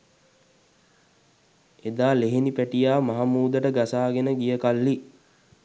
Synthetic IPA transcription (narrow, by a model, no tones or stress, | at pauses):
ed̪aːleɦenipæʈijaːmaɦamuːd̪əʈəɡasaːɡenəɡijəkalːi